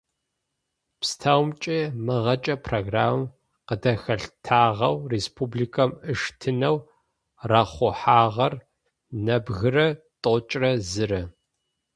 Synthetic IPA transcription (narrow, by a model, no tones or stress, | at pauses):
pstʰawmt͡ʃʼimɨʁɐt͡ʃʼɐpʰroːɡraːm | qədɐxɐɬtʰaːʁɐwreːspʰublikʰɐmɨʂtʰɨnɐw | raχʷʊħaːʁɐr | nɐbɣɨrɐ | tʼot͡ʃʼrɐzɨrɐ